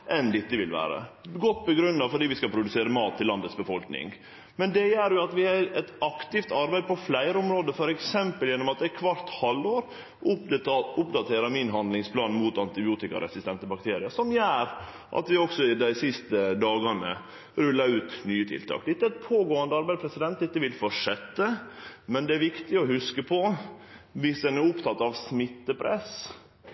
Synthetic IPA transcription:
ʔɛnd̪ɪt̪ːəʋɪlʋæ̰ːɾə̰ɡɔt̪ːbəɡɾʉnːɑfɔɖiːʋɪskɑlpʰɾʊd̪ʉseːɾəmɑːt̪ʰːɪlːɑnd̪ət̪sbəfɔlknɪ̰ŋ | mɛnd̪ɛjæːɾjʊɑt̪ʋɪhɑɛt̪ɑkt̪ɪft̪ɑɾbæɪd̪̚pʰɔflæɪɾəɔmɾoːd̪əfɔɾɛksɛmpəljɛnːɔmɑt̪̚d̪æɪkʰʋɑɾt̪hɑloːɾ | ʔʊʊpd̪ɑt̪ʰeːɾɑmɪnɦɑnd̪lɪŋspʰlɑːnn̩muːt̪ɑnt̪ɪbɪuːt̪ɪkɑ̰ɾ̰ɛ̰sɪst̪ɛnt̪əbɑk̚t̪ʰeːɾɪəʂɔmjæːɾ | ʔɑ̰t̪ʋɪɔɡsɔɪd̪æɪsɪst̪əd̪ɑːɡɑnə̰ | ɾʉlːɑɾʉːt̪nyːət̪ʰɪ̰lt̪ʰɑ̰ːkd̪ɛt̪ːəɛt̪pʰoːɡoːɑnd̪əɑɾbæɪd̪pʰɾɛsɪd̪ɛnt̪̚d̪ɛt̪ːəʋɪlfɔʂɛt̪ːəmɛnd̪ɛæɾʋɪkt̪ɪɔhʉskəpʰɔ | ʋɪsd̪ɛnæɾʊpt̪ʰɑt̪ːɑʋsmɪt̪ːəpʰɾɛ̰s

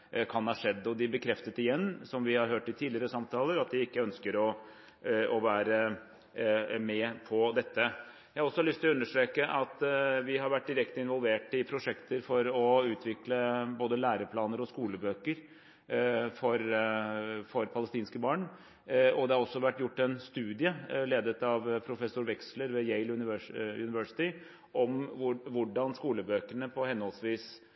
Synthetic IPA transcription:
kʰɑnhɑʂɛd̪ːɔd̪ɪbəkʰɾɛft̪ət̪ɪjɛnːsɔmʋɪhɑɾɦøːʈːɪlt̪ʰiːd̪ɪəɾəsɑmt̪ʰɑːləɾɑt̪̚d̪ɪɪkːəœnskəɾɔ | ɔʋæːɾə | mɛpʰɔd̪ɛt̪ːə | jæhɑɾɔsːɔlʏst̪ɪlʉnːəʂʈɾeːkəʔɑt̪ʋɪɦɑɾʋæʈ̚ːd̪ɪɾɛkt̪əɪnʋɔlʋeːʈɪpʰɾʊʂɛkt̪əɾfɔɾɔʉːt̪ʰʋɪkləboːd̪əlæːɾəpʰlɑːnəɾɔskuːləbøːkəɾ | fɔɾ | fɔɾpʰɑləst̪iːnskəbɑːɳ | ɔd̪ɛhɑɾɔsːɔʋæʈːjʊʈːɛnst̪ʉːd̪ɪəleːd̪ət̪ɑʋpʰɾʊfɛsːʊɾʋɛksləɾʋɛjeɪlʉnɪʋʉnɪʋœʂɪ̥t̪ɪ | ʔɔmʋʊɖɑnskuːləbøːkəɳəpʰɔhɛnhɔlsʋiːs

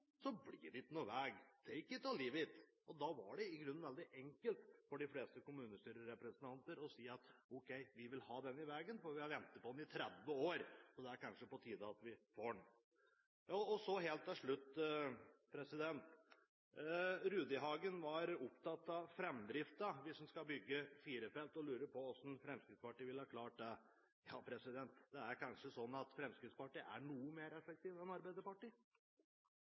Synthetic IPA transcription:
sɔblɪːɖɪt̪nuʋæːɡt̪ʰɛɪkːət̪ʰɑliːʋɪt̪ | ɔd̪ɑʋɑ̰ɖɛɪɡɾʉnːnʋɛld̪ɪʔɛŋkəlt̪fɔɖɪfleːst̪əkʊmʉːnəst̪yːɾəɾɛpɾɛsənt̪ʰɑnt̪əɾɔsiːɑt̪ɔkʰɛɪʋɪʋɪlhɑːd̪ɛnːɪʋɛːɡənfɔɾʋɪhɑɾʋɛnt̪ət̪̚pʰɔd̪ɛn̩ɪt̪ʰɾɛd̪ʋəoːɾɔd̪ɛæɾkʰɑnʂəpɔt̪ʰiːd̪əɑt̪ʋɪfoːɖɛɳ | jɑɔsɔɦeːlt̪ːɛʂɭʉt̪ː | pʰɾɛsɪd̪ɛnt̪ | ɾʉːd̪ɪɦɑːɡənʋɑɾʊpt̪ɑt̪ːɑʋfɾɛmd̪ɾɪft̪əʋɪshnskɑbʏɡːəfiːɾəfɛlt̪ɔlʉːɾəɾpɔɔsn̩fɾɛmskɾɪt̪spɑʈiːʋɪlhɑːkʰlɑːʈ̚d̪ɛ | jɑːpʰɾɛsɪd̪ɛnt̪d̪ɛæɾkʰɑnʂəsɔnːɑt̪fɾɛmskɾɪt̪spɑʈiːʔæ̰ɳuːəmeːɾɛfɛk̚t̪ʰiːʋɛnɑɾbæɪd̪əɾpɑʈiː

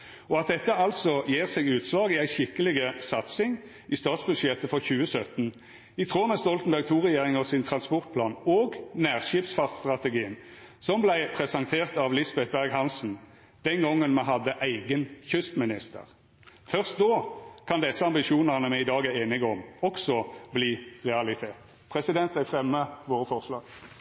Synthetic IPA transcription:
ɔɑt̪̚d̪ɛt̪ːəɑlsɔjeːʁsɛɡʉːt̪sʋɑːɡiæɪʃɪkːəlɪɡəsɑt̪sɪŋ | ʔɪst̪ɑːt̪sbʉd̪ʂjɛt̪əfɔʁçʉːəsœt̪n | ɪt̪ʰʁoːmɛst̪ɔlt̪ən̩bæʁɡ̚t̪ʰuːʁɛjeːʁɪŋɔsɪnt̪ʰʁɑnspɔʁt̪̚pʰlɑːnoːɡnæːʁʃiːpsfɑʁt̪st̪ʁɑt̪əɡiːən | sɔmblæɪpʰʁɛsɑnt̪ʰeːʁt̪ɑʋlɪsbɛt̪̚bæʁɡhɑnsn̩ | d̪̥ɛnɡɔŋːənmɛɦɑd̪əʔæɪɡənçʏst̪mɪnɪst̪ə̰ʁ | fœʁst̪̚d̪oːkʰɑnd̪ɛsːəɑmbɪʃuːnəʁnəmæɪɪd̪ɑːɡæʁeːnɪɡəɔmɔksɔbliːʁɛɑlɪt̪ʰeːt̪ | pʰʁɛsɪd̪ɛnt̪æɪfʁɛmːəʋoːʁəfɔʁslɑːɡ̥

